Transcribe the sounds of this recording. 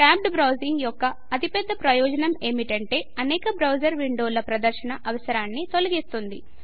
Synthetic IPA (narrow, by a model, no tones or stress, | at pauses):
ʈaːp̚ɖbɾɐwziŋɡjɔkːɐ | ɐt̪ipɛd̪ːɐpɾɐjɔːd͡ʒɐnɐme̞ːmiʈɐɳʈe̞ːɐnɛːkɐbɾɐwd͡ʒɐɾʋiɳɖoːlɐpɾɐd̪ɐɾʃɐnɐʔɐʋɐsɐɾaːnːit̪o̞lɐɡist̪und̪i